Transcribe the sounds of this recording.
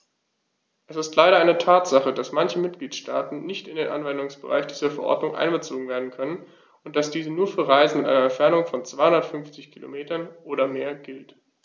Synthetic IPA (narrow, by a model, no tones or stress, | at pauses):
ʔɛsɪstlaɪɾɐʔaɪnətʰaːtz̥aχədasmançəmɪt̚ɡ̥liːtʃtaːtn̩nɪçtɪndeːnʔa̰nvɛndʊŋsb̥əʁa̰ɪçd̥iːzɐfɛɐʔɔ̰ɐdnʊŋʔa̰ɪnbət͡soːɡŋ̩veːɐdn̩kʰœnən | ʊnt̚d̥asd̥iːzənuːɐfyːɐʁaɪzn̩mɪtʔaɪɐɛntfɛɐnʊŋfɔnt͡sv̥aɪhʊndɐtfʏnft͡sɪçkʰilo̰meːtɐnʔoːɾɐmeːɐɡɪlt